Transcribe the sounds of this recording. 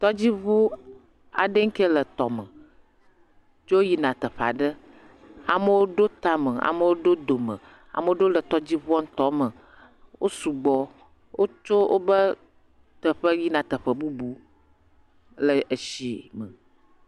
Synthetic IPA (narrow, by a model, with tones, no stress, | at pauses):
t̪ɔ˦d͡ʑi˦βu˦ | a̰˨ɖə˦ŋ̩˦kə˦lə˨t̪ɔ˨mə˨ | d͡ʒo˦ji˦nã˨t̪ə˨ɸa̰˨ɖə˦ | a̰˨mə˦wo˦ɖo˦t̪a˦mə˨a̰˨mə˦wo˦ɖo˦d̪o˨mə̰̃˨ | a̰˨mə˦o˦ɖo˦lə˨t̪ɔ˦d͡ʑi˦βu˦ɔ˦ŋ̩˦t̪ɔ˦mə˨ | wʔo˦su˨ɡ͡bɔ˨ | wo˦t͡ʃo˦wʔo˦bə˦ | t̪ə˨ɸə˦ji˦nã˨t̪ə˨ɸə˨bu˦bu˦ | lə˨ʔə˨ʃi˨˦mə˨